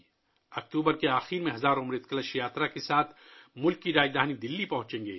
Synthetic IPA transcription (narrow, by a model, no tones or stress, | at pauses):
ɐk̚t̪uːbəɾkeaːxiːɾmẽɦɐzaːɾʊmɾet̪̚kɐləʃjaːt̪ɾakesaːt̪ʰmʊlkːiɾaːd͡ʒd̪aːnid̪ɪlːipɐɦʊ̃t͡ʃẽːŋɡḛː